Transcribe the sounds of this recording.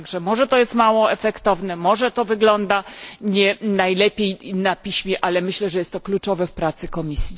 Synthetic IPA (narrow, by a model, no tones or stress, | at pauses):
ɡʐɛmɔʐɛt̪ɔjɛst̪mawɔɛfɛkt̪ɔvnɛmɔʐɛt̪ɔvɘɡlɔnd̪aɲɛnajlɛpʲjejnapʲiɕmʲjɛʔalɛmɘɕlɛʐɛjɛst̪ːɔklut͡ʂɔvɛfpɾat̪sɘkɔmʲisʲji